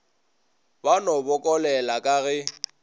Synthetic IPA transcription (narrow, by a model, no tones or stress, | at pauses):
banɔbʊkʼɔlɛlakʼaɣɛ